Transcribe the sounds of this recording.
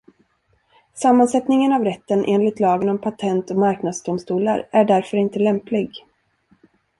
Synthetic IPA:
samːansɛt̪nɪŋənavɾɛt̪ːənʔeːnlɪt̪lɑːɡənɔmpʰat̪ʰɛnt̪ɔmaɾknad̪sd̪ʊmst̪uːla̰ɾæɖæɾfœɾɪnt̪əlɛmplɪɡ

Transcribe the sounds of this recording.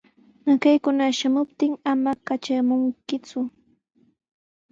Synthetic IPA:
nakajkʊnaʃamʊp̚t̪ɪŋamakat͡ʃamʊŋkɪt͡sʊ

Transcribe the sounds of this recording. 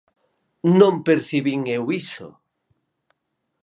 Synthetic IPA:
nõmpeɾθiβiŋewiso̰

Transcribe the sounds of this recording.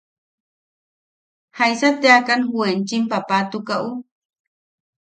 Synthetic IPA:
hajsat̪eakanhuent͡ʃimpapat̪ukaʔu

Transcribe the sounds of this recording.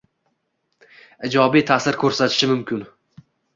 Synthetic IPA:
ɪd͡ʒɒbijt̪ʰasɪɾkʰɵɾsat̪ʰɪ̥ʃɪmʊmkʲʰʊn

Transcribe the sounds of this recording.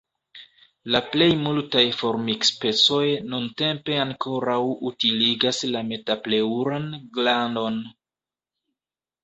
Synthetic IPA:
laple̞jmultajfo̞ɾmikspe̞t͡so̞jnunte̞mpe̞aŋkʰo̞ɾawutiliɡaslame̞taple̞uɾanɡlando̞n

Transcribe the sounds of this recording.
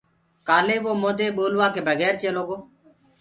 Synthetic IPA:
kaːleːʋoːmoːd̪eːɓoːlʋaːkeːbʱəɡɛːɾt͡ʃeːloːɡoː

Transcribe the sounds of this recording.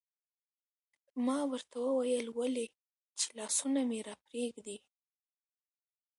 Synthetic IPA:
mɑwəɾt̪awəwajəlwale | t͡ʃe̥lɑsunameɾɑpɾeɡd̪i

